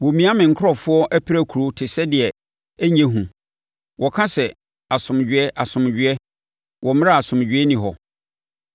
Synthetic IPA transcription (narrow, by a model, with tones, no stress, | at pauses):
wo˨mĩ˦a˦mɪ̃˨ŋ̩˨kʰʊ˦ɔ˨fʊ˦ɔ˦ʔæ˦pʰi˦ɾæ˦˨kʰu˨ɾo˦tʰɪ˨sɛ˦dɪ˨ɛ˨ | æ˦ɲɛ̃˦ɦũ˨ | wɔ˨kʰã˦sɛ˨ | a˨sʊ̃˨md͡ʑᶣɪ˨˦ɛ˦ʔa˨sʊ̃˨md͡ʑᶣɪ˦ɛ˦ | wʔɔ˨m̃˦a˦˨a˨sʊ̃˨m˨d͡ʑᶣɪ˨˦ɛ˦nĩ˨ɦɔ̰˨